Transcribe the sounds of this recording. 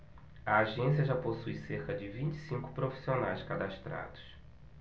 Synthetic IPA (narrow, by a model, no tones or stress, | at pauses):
ɐaʒẽsiɐʒaposujseɾkɐd͡ʒɪvĩt͡ʃɪ̥sĩŋkʊ̥pɾofi̥sionajskad̪aʃt̪ɾa̰d̪ʊ̥s